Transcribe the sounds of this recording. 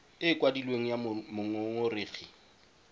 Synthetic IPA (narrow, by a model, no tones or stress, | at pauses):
ɪːkʼwadilweŋ̩jamʊŋoŋʊrɪːɣi